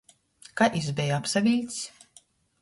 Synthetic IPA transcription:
kaʔizbʲɛjapsavʲilʲt̪s

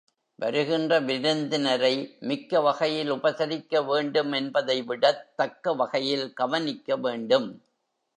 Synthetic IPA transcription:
ʋɐɾɯɣɪndrɐʋɪɾɯnd̪ɪnɐɾɐɪmɪkːɐʋɐɣɐjɪlʊbɐsɐɾɪkːɐʋeːɳɖɯmɛnbɐðɐɪʋɪɽɐtt̪ːɐkːɐʋɐɣɐjɪlɡɐʋɐnɪkːɐʋeːɳɖɯm

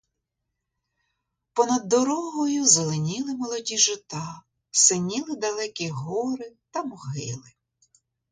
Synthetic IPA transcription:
pɔnɐd̪ːɔɾɔɦɔjʊzelˠenʲilˠɪmɔlˠɔdʲiʒɪt̪ɑ | sɪnʲilˠɪd̪ɐlˠɛkʲiɦɔɾɪt̪ɐmɔɦɪlˠɪ

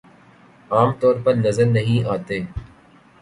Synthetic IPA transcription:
aːmt̪ɔːɾpɐɾnɐzəɾnɐɦĩʔaːt̪eː

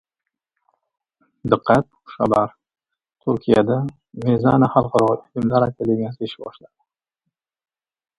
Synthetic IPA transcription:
d̪ɨqʰːɑt̪̚χa̰baɾ | t̪ʰuɾkʲʰijad̪a | mezanaχɑlˠqɑɾɒʁɪlɪmlaɾajkʲʰad̪emʲjasɪɪʃɪbɒʃlad̪ɪ

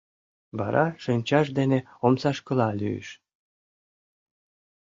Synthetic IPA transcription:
βɑɾʔɑʃənʲt͡ɕɑʃd̪ene | omsɑʃkɤ̆lɑlʲy̰jə̰ʃ

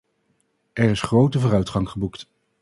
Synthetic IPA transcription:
ɛɹɪsχrowtəvʊːɾœɥtχɑŋχəbukt

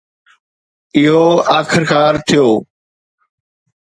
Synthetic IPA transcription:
ɪɦoaːkʰɪɾkaːɾt̪ʰijoː

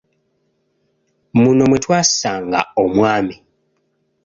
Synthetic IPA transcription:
munomwetwaːsaːŋɡa̰omwaːmi

